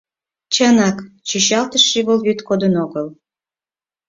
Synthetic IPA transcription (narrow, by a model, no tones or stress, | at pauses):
t͡ɕənɑkt͡ɕiɕɑlt̪əʃːiβəlβyt̪kod̪ənoɣəl